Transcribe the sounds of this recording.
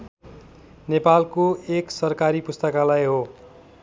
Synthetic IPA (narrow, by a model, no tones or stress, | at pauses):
nepalkoeksʌrkaɾipust̪ʌkalajɦo